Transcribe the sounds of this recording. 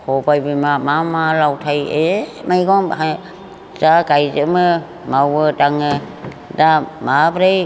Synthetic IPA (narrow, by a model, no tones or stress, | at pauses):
hɔbajbɯmamamalawtʰajemajɡɔŋa | z̥aɡajzɯmɯ | mawɯdaŋɯ | damabɾaj